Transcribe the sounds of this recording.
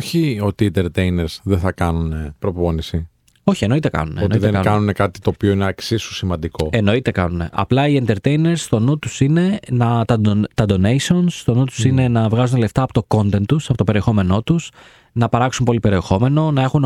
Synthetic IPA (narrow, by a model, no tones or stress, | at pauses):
oçio̞t̪ient̪e̞ɾt̪ejneɾz̥ðeθɐkɐnunepɾo̞po̞nisi | o̞çie̞no̞it̪ekɐ̰nunḛonoiðeɐkɐnune̞kɐt̪i̥t̪o̞ːpioineɐksisu̥simɐnd̪iko̞e̞no̞it̪e̞kɐ̰nune̞̰ʔɐ̰plɐient̪eɾt̪e̞jne̞ɾst̪o̞nut̪usine̞nɐt̪ɐt̪ɐd̪o̞nejsionst̪o̞nut̪u̥sine̞nɐvɣɐzunle̞ft̪ɐːpo̞t̪o̞ko̞nt̪e̞nt̪ːusɐpot̪ope̞ɾie̞xo̞me̞no̞t̪us | nɐpɐɾɐksumpo̞lipe̞ɾie̞xo̞me̞no̞nɐe̞xun